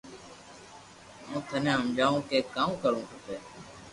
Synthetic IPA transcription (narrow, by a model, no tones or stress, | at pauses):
mũːt̪ʰənẽːɦəmd͡ʒaːũːkeːkaːũːkəɭũːɦəpeː